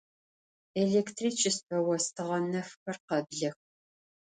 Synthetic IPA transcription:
eɮeːktʰriːt͡ʃʰɪstʰɐwɐstʰɨʁɐnɐfxɐrqɐbɮɐx

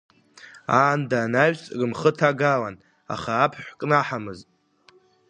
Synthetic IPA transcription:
aːndaːnaɥᶣt͡sʼrɨmχətʰaɡalan | a̰χaːpʰħʷkʼnaħamɨztʼ

